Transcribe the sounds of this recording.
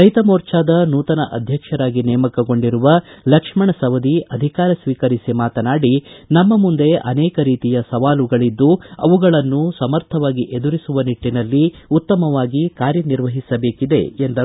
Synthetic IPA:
ɐjt̪ɐmoːɾt͡ʃaːd̪ɐnuːt̪ɐnɐʔɐd̪ʱjɐkʂɐɾaːɡinɛːmɐkɐɡoɳɖiɾuʋɐlɐkʂmɐɳɐsɐʋɐd̪iʔɐd̪ʱikaːɾɐsʋiːkɐɾisimaːt̪ɐnaːɽinɐmːɐmund̪e̞ʔɐnɛːkɐɾiːt̪ijɐsɐʋaːluɡɐɭid̪ːuɐ̰ʋuɡɐɭɐnːusɐmɐɾt̪ʰɐʋaːɡiʔe̞d̪uɾisuʋɐniʈːinɐlːiut̪ːɐmɐʋaːɡikaːɾjɐniɾʋɐɦisɐbe̞ːkid̪ḛend̪ɐ

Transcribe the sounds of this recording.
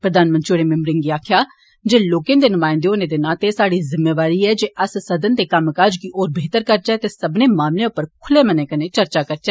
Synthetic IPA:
pɾəd̪aːnmənt͡ʃoːɽeːmɪ̃mbɾɪŋɡiːaːkʰjaː | d͡ʒeːloːkẽːd̪eːnʊmaːɪnd̪eoːneːd̪enãːt̪eːsaːɽiːzɪmːeːʋaːɾiːɛːd͡ʒeːʔəssəd̪ənd̪eːkəmkad͡ʒkɪʔoːɾbeːt̪əɾkəɾd͡ʒɛːt̪eːsəbneːmaːmlẽʊpːəɾkʰʊleːmənẽːkənẽːt͡ʃəɾt͡ʃaːkəɾt͡ʃɛː

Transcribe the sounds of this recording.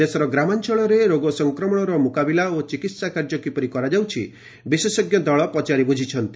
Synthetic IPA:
d̪esɔɾɔɡɾamant͡ʃɔɭɔɾeɾoɡɔsɔŋkɾɔmɔɽ̃ɔɾɔmukabilaot͡ʃikit̪sakaɾd͡ʒɔkipɔɾikɔɾad͡ʒawt͡ʃʰḭ | bisesɔɡjɔd̪ɔɭɔpɔt͡ʃaɾibud͡ʒʱit͡ʃʰɔnt̪i

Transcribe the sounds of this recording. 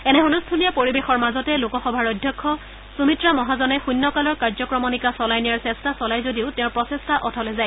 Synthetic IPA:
ɛnɛɦunustʰulijapoɹibexɔɹmazɔtɛlokɔxɔbʱaɹɔjdʱjɔkʰːɔ | sumitɹamɔɦazɔnɛxujnːɔkalɔɹkaɹzɔkɹɔmɔnikasɔlajnijaɹsɛstʰasɔlajzodiʊtɛ̃ʊ̃ɹpɹɔsestʰaʔɔtʰɔlɛzaj

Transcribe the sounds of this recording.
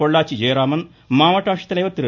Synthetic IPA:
oɭːaːt͡ʃid͡ʒeːɾaːmɐn | maːʋɐʈaːʂɐ̥t̪ɐlɐjʋɐt̪iɾɐ

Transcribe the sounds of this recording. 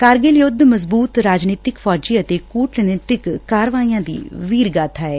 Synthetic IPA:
kaːɾɡɪljʊd̪məzbuːt̪ɾaːd͡ʒniːt̪ɪkfʰɔːd͡ʒiːət̪eːkuːʈnɪːt̪ɪkkaːɾʋaːiːjãːd̪ḭːʋiːɾɡaːt̪ʰaːɛː

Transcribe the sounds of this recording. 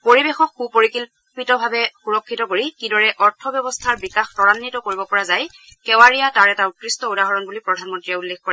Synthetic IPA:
poɹibexɔkxupoɹikil | pitɔbʱabɛxuɹɔkʰːitɔkoɹikidɔɹɛʔɔɹtʰɔbjɔbɔstʰaɹbikaxtɔɹanːitɔkoɹibɔpɔɹazaj | kɛwaɹijataɹɛtautɹistɔudaɦɔɹɔnbulipɹɔdʱanmɔntɹijɛulːexkɔɹɛ

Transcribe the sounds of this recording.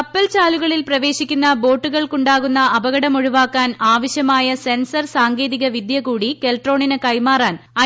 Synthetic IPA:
ɐpːɐlt͡ɕaːluɣɐɭilprɐʋe̞ːɕikʲːunːɐbo̞ːʈːuɣɐɭkuɳɖaːɣunːɐɐbɐɣɐɽɐmoɻuʋaːkːaːnaːʋɐɕjɐmaːjɐse̞nsɐrsaːŋɡeːðiɣɐʋid̪ʱjɐkuːɽikelʈro̞ːɳinɐkɐjmaːraːnɐ

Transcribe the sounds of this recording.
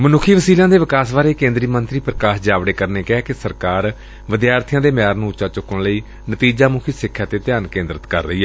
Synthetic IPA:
mənʊkʰiːʋəsiːlãːd̪eːʋɪkaːsʋaːɾeːkẽːnd̪ɾiːmənt̪ɾiːpɾəkaːʃd͡ʒaːʋɽeːkəɾneːkɛːkɪsəɾkaːɾ | ʋɪd̪jaːɾt̪ʰɪjãːd̪eːmjaːɾnũːʊt͡ʃaːt͡ʃʊkːəɳləiː | nət̪iːd͡ʒaːmʊkʰiːsɪkʰːjaːt̪eːt̪ɪjaːnkẽːnd̪ɾət̪kə̰ɾːəiːɦɛː

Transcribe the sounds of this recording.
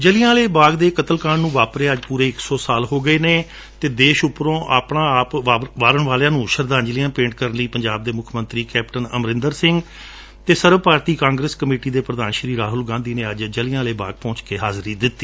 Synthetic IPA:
d͡ʒəlɪjãːleːbaːɡd̪eːkət̪əlkaːɳnũːʋaːpɾeːəd͡ʒpuːɾeːɪksɔːsaːlɦoːɡəeːneː | t̪eːd̪eːʃʊpɾõːʔaːpɳãːaːpaːʋaːɾəɳʋaːljãːnũːʃəɾd̪ãːɲd͡ʒlijãːpẽːɳʈ̚kəɾənliːpəɲd͡ʒaːb̚d̪eːmʊkʰmə̃nt̪ɾiːkɛːpʈənəmɾɪ̃nd̪əɾsɪŋɡ | t̪eːsəɾʋpaːɾt̪iːkãːŋɡɾeːskəmeːʈiːd̪eːpɾəd̪aːnʃɾiːɾaːɦʊlɡãːnd̪iːneːəd͡ʒd͡ʒəlɪãːleːbaːɡ̚pɔ̃ːt͡ʃkeːɦaːzɾiːd̪ɪt̪ːiː

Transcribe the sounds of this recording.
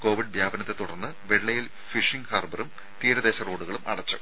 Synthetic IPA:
ko̞ːʋiɖ̚bʱjaːbɐnɐt̪ːe̞t̪uɽɐrnːɨʋeɭːɐjil | fiʂiŋɡhaːrbɐrum | t̪iːɾɐðeːɕɐro̞ːɽuɣɐɭumʔɐ̰ɽɐt͡ɕːu̥

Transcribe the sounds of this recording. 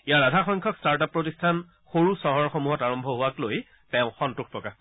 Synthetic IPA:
ijaɹadʱaxɔjŋkʰɔkstaɹt̬apːɹotistʰan | xoɹusɔɦɔɹxomuɦɔtaɹɔmbʱɔɦʊwakloj | tɛʊ̃xɔntʊxʰpɹɔka

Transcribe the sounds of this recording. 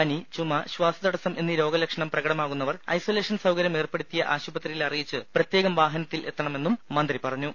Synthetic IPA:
ɐnit͡ɕumːɐɕʋaːsɐd̪ɐɽɐsɐmʔe̞nːiɾo̞ːɡɐlɐkʂɐɳɐmprɐɣɐɽɐmaːɣunːɐʋɐrɐ̰jsoːle̞ːʂɐnsɐwkɐɾjɐme̞ːrpeɽut̪ːijɐʔaːɕubɐt̪rijilɐrijit͡ɕːɨprɐt̪jeːɣɐmʋaːɦɐnɐt̪ːilʔe̞̰t̪ːɐɳɐme̞nːumːɐnd̪ripɐrɐɲːu

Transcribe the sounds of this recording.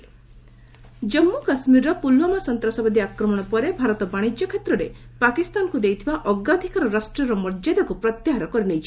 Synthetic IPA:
d͡ʒɔmːukasmiɾɔpulwɔmasɔnt̪ɾasɔbad̪iakɾɔmɔɽ̃ɔpɔɾebʱaɾɔt̪ɔbaɽ̃id͡ʒjɔkʰet̪ɾɔɾepakist̪anɔkud̪ejt̪ʰibaʔɔɡɾad̪ʱikaɾɔɾasʈɾɔɾɔmɔɾd͡ʒad̪ɔkupɾɔt̪jaɦaɾɔkɔɾinejt͡ʃʰi̥

